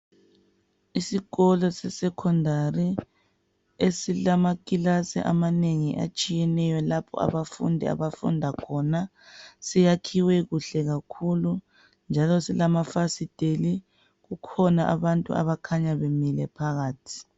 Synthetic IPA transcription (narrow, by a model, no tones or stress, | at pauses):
isiɣɔlɔsɛsɛkʰɔndʱari | esilamakʼilasɛ̰ʔamaneŋiʔa̰t͡ʃʼijɛnɛjɔlapʰɔ̰a̰βafṵndʱḭa̰βafṵndʱakʰɔna | sijakʰiwɛɣuɬɛɣakʰulu | nd͡ʒʱalɔsilamafasid̥ʱeli | ɣukʰɔnaʔaβantʼṵa̰βakʰaɲaβemilɛpʰaɣaːtʰi̥